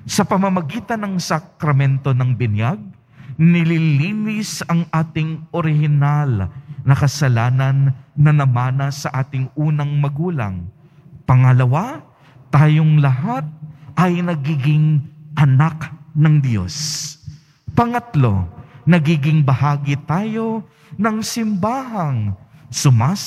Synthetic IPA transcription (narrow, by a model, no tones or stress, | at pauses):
sɐpɐmɐmɐɡiːt̪ɐnɐŋsɐkɾɐmɛnt̪o̞nɐŋbɪnjaɡ̚ | nɪliliːnɪsɐŋʔaːt̪ɪŋʔoɾɪhɪnalnɐkɐsɐlaːnɐnːɐnɐmaːnɐsɐʔaːt̪ɪŋʔuːnɐŋmɐɡuːlɐ̰ŋ | pɐŋɐlɐwa | t̪aːjoŋlɐɦat̪̚ʔɐjnɐɡiːɡɪŋʔɐnaknɐŋd̪jo̞̰s | pɐŋɐt̪lo̞̰nɐɡiːɡɪŋbɐhaːɡɪt̪aːjo̞ | nɐŋsɪmbaːɦɐŋsʊmaː